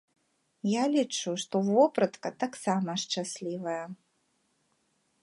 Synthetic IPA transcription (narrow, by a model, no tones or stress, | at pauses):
jalʲit͡ʂuʂt̪ɔvɔpɾɐt̪kɐt̪aksamɐʂt͡ʂasʲlʲivɐjɐ